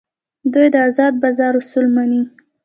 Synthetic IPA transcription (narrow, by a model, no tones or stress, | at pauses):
d̪ujd̪əazɑd̪̚bazɑɾʊsulmani